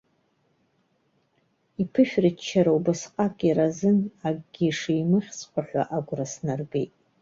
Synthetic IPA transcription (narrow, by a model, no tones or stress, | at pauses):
ipʰɨʃᶣrɨt͡ʃʰːaɾawbɨsqʼakʼiɾazɨnaɡʼɡʲiʂijmɨχʲsqʷaħᶣʷa̰ʔaɡʷrasnarbejtʼ